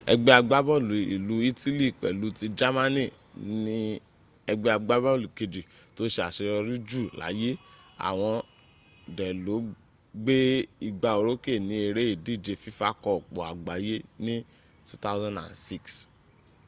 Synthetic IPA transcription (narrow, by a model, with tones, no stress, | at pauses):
ɛ̰˧ɡ͡bɛ˦a˧ɡ͡ba˦bɔ˦˨lu˨ḭ˨lu˨˦i˦ti˦li˦˨k͡pɛ̰˨lu˨˦ti˧d͡ʒa˦mã˦nĩ˦˨ | nĩ˦ | ɛ˧ɡ͡bɛ˦a˧ɡ͡ba˦bɔ˦˨lu˨ke˧d͡ʒi˨ | to˦ʃe˧a̰˨ʃe˧ɾɔ˧ɾi˦d͡ʒu˦˨la̰˨˦je˦ | a̰˨w̃ɔ̃˧ | dɛ˨lo˨˦ | ɡ͡be˦i˧ɡ͡ba˧o˨˧ɾo˦ke˦˨nĩ˨˦e˧ɾe˦i˦˨di˦˨d͡ʒe˧fi˦fa˦kɔ˧˨k͡pɔ˨a̰˨ɡ͡ba˨˦je˦nĩ˦ | tu˦ta˦zã˦ndã̰˨nsi˦˨ks